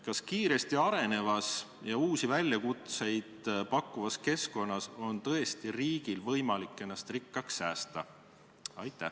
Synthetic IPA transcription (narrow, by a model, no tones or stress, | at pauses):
kɑskiːɾe̞st̪iɑɾe̞ne̞vɑs | jɑuːsivælʲjɑkut̪se̞jd̪̥pɑkːˑuvɑske̞sko̞nːɑso̞nt̪ɤ̞est̪iriːɡ̥ilvɤ̞jmɑlikːˑe̞nːɑst̪rikˑːɑksːæːst̪ɑ̰ | ɑjt̪ːˑæh